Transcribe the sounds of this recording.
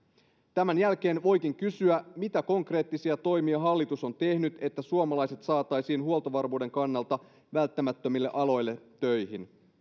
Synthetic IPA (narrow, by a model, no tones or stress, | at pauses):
t̪æmænjælk̟e̞ːnʋo̞jkiŋkysyæmit̪æko̞ŋkre̞ːt̪ːisiɑt̪o̞jmiɑɦɑlːit̪uso̞nt̪e̞hnyt̪e̞t̪ːæsuomɑlɑjse̞t̪sɑːt̪ːˑɑjsiːnhuo̞t̪oʋɑrmuːde̞ŋkɑnːɑlt̪ɑ | ʋælt̪ːæmæt̪ːømilːe̞ʔɑlo̞jlːet̪ːøjɦin